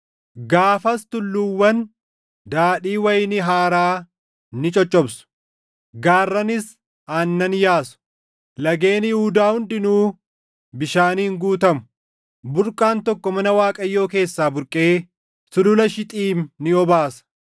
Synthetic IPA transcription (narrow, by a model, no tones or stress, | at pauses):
ɡaːfɐst̪ʊlːʊwːɐn | d̪aːᶑiːwɐjnɪɦaːɾaː | nɪt͡ʃʼɔt͡ʃʼːɔbsʊ̥ | ɡaːrːɐnɪs | aːnːɐnjaːsʊ̥ | lɐɡe̞ːnɪjhʊd̪aːhʊnd̪ɪnuː | bɪʃaːniːŋɡuːt̪ɐmʊ̥ | bʊɾkʼaːnt̪ɔkːɔmɐnɐwaːkʼɐjːo̞ːke̞ːsːaːbʊɾkʼeː | sʊlʊlɐʃɪt̪ʼiːmːɪɔbaːsɐ̥